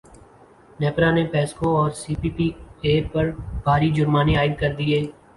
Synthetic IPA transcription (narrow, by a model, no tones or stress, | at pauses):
nɛːpɾanepɛːskoɔːɾsiːpiːpiːeːɾpɐɾb̥ʱaːɾid͡ʒʊɾmaːneaːɪd̪̚kɐɾd̪ieː